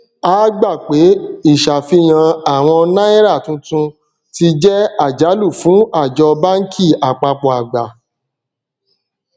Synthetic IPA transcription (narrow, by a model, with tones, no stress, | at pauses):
aː˦ɡ͡ba˦˨k͡pe˨˦i˦˨ʃa˨fi˧j̃ã˧a˨w̃ɔ̃˧nã˦i˦ɾa˦˨tũ˧tũ˧ | ti˧d͡ʒɛ˦a˦˨d͡ʒa˨˦lu˦˨fũ˨˦a˦˨d͡ʒɔ˧ba˦ŋ̩˦kʰi˦˨a˨k͡pa˧k͡pɔ˨a˨ɡ͡ba˨